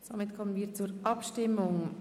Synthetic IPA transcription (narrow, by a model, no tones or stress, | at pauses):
somɪtkʰɔmənviːɾt͡suɾʔɑpʃtɪmːʊŋ